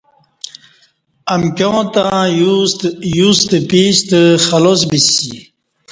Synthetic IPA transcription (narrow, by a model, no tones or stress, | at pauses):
amkjõːt̪ã | just̪əpist̪əxalos̬bisḭ